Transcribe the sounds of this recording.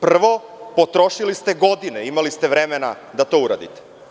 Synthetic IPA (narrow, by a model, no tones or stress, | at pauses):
pr̩ʋo̞po̞t̪ɾoʃilist̪e̞ɡo̞d̪ineimalist̪e̞ʋɾemena̰ | d̪at̪o̞ːuɾa̰d̪ḭt̪e̥